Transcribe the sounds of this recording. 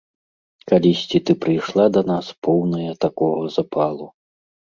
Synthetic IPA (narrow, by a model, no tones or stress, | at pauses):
kalʲisʲt͡sʲit̪ɨpɾɨjʂlˠad̪ɐnaspʰɔwnɐjɐt̪akɔɣɐzapʰalˠu